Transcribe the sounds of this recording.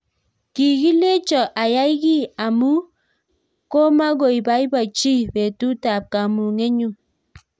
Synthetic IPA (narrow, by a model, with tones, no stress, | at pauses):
ki˨ɡi˦le˦t͡ʃɔ˨ʔa˨ja˦i˦ɡi˦a˨mu˦ | ko˦ma˦ɡo˨i˨ba˨˦i˦ba˨t͡ʃi˦be˨tu˦ta˨p̚ka˨mu˨ŋe˦ɲu˨